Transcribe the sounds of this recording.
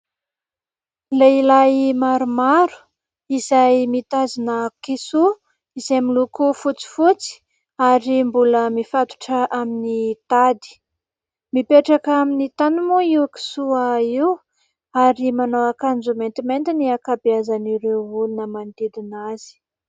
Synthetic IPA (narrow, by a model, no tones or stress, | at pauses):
leilajmaɾumaɾu̥ | izajmit̪azinəkisu | izamilukufut͡si̥fut͡si̥ | aɾimbuləmifat̪u̥ʈ͡ʂəʔaminit̪ad̪i̥ | mipeʈ͡ʂakaminit̪anumuiwki̥suaiw | aɾimanoakand͡ʒument̪iment̪iniakabiazaniɾewulunəmand̪id̪inaz̥i̥